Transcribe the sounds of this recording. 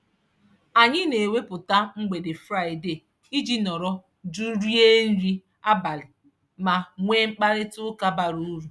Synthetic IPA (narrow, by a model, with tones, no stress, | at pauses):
a˨ɲɪ˦ne˨we˦pʊ˨ta˦ŋ͡m̩˦ɡ͡be˨dɪ˨fɾa˦˨ɪ˨de˨ | i˦d͡ʒi˦nɔ˨ɾɔ˦ | du˦ɾi˦e˦n̩˦ɾi˦ | a˦ba˨lɪ˨ | ma˨ŋʷe˦ŋ͡m̩˦k͡pa˦ɾɪ˦tʊ˦ka˦ba˨ɾu˦ɾu˨